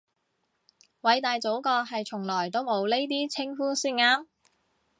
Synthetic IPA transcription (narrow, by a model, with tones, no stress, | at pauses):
wɐ˨˧˥jt̪aː˨jt͡so˨˥wkɔː˧ɦɐ˨jt͡sʰʊ˨˩ŋlɔː˨˩jt̪o˥wmo˨˧wle˥jt̪̬iː˥t͡sʰɪ˥ŋfuː˥siː˥˩nŋaː˥m